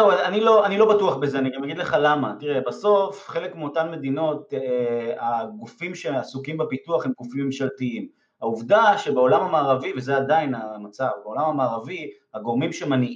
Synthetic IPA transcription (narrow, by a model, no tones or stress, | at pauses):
ewanilo̞anilo̞batuaχbeze̞aniɡamjaɡid̪le̞χalamatiʁe̞baso̞fχe̞lekmeo̞tanme̞d̪ino̞t | aɡufimʃeasukimbepituaχhe̞mɡufimːemʃaltiim | auvdaʃe̞beo̞lamamaːʁavivezeadainamat͡savbeo̞lamhamaːʁavihaɡo̞ʁmimʃemani